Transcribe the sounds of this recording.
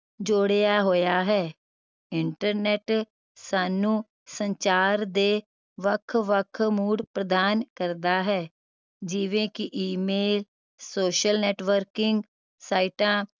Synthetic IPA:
d͡ʒoːɽejaːɦoːjaːɦɛː | ɪɳʈəɾnɛːʈ | saːnũː | səɲt͡ʃaːɾd̪eː | ʋəkʰʋəkʰmuːɽpɾəd̪aːnkəɾd̪aːɦɛː | d͡ʒɪʋẽːkɪʔiːmeːl | soːʃəlnɛːʈʋəɾkɪŋɡ | saːiʈãː

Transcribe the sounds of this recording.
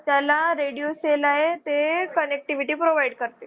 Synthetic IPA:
t̪jalaɾeɽijoselaɦet̪ekənek̚ʈiʋiʈiːpɾoʋaiɖkəɾt̪e

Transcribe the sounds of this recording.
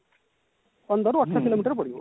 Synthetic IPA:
pənd̪əɾuɐʈʰsʰakiloːmiːʈəɾpəɽio̰

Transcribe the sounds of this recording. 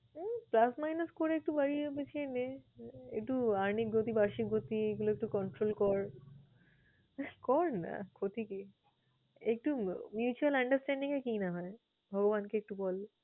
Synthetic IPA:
plasmajnɐskoɾeek̚ʈubaɾibet͡ɕʰieneḛk̚ʈuaɾnikɡot̪ibaɾʃik̚ɡot̪ieɡuloek̚ʈukɔɳʈɾolkɔɾ | kɔɾna̰kʰot̪ike | ek̚ʈumjut͡ɕualɐɳɖəɾsʈɛɳɖiŋekinaɦɔe | bʱɔɡobankeek̚ʈubɔl

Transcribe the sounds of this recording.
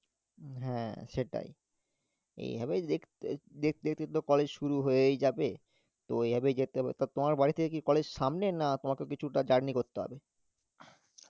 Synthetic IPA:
ɦɛ̃ʃeʈa̰j | ḛjɦabed̪ekd̪ek̚d̪ek̚t̪et̪okɔled͡ʑʃuɾuɦoejd͡ʑabe | t̪oejɦabed͡ʑet̪eɔbḛt̪at̪omaɾbaɾit̪ʰeekikɔled͡ʑʃamnenat̪omakeokit͡ɕʰuʈad͡ʑaɽnikoɾt̪eɦɔ̰be

